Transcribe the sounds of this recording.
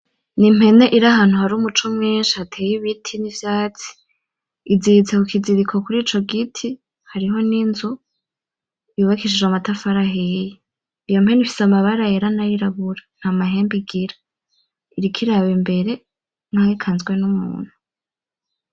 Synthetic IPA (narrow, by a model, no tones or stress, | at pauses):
nim̥he̞ne̞ʔiɾaɦaːn̥huhaɾuːmut͡ʃumŋiːnʃihatʰeːjiβitʰinivjaːt͡si̥ | izit͡sekukʰiziɾikʰo̞kuɾiːt͡ʃo̞ɡitʰi | haɾiɦo̞ninzu | iuβakiʃ̬id͡ʒamatafaɾaɦeje | ijo̞mhe̞nifi̥samaβaɾajeɾanajiɾaβuɾan̥hamaɦe̞ːmbiɡiɾa | iɾikʰiɾaβimbe̞ɾe̞ | ŋ̥haikʰanzɡwe̞numṵːn̥hu